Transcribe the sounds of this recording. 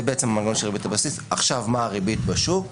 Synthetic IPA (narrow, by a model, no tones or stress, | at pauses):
beʔet͡semamaɡaonʃelʁibitabasisaχʃavmaːʁibitbaʃuv